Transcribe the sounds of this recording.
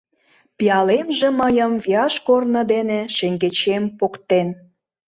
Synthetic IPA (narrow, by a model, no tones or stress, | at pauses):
piɑlemʒeməjəmviɑʃkornə̆d̪eneʃeŋɡet͡ɕempokt̪en